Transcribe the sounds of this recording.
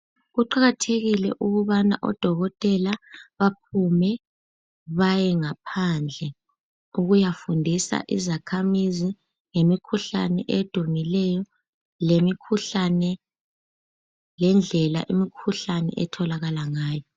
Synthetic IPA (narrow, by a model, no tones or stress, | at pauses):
ɣuǃaɣatʰeɣilɛ̰ʔuɣuβana̰ʔɔ̰d̥ʱɔɣɔtʼɛlaβap̚ʰumɛ | βajɛŋapʰand͡ɮʱɛ | uɣujafundʱisa̰ʔizakʰamizi | ŋemikʰuɬa̰nɛʔed̥ʱumilɛjɔ | lemikʰuɬanɛ | lɛnd͡ɮʱɛla̰ʔimikʰuɬanɛ̰ʔɛtʰɔlaɣalaŋaːjɔ